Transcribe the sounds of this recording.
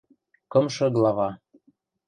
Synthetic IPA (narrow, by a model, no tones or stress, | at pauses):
kɤ̆mʃɤ̆ɡlˠɑvɑ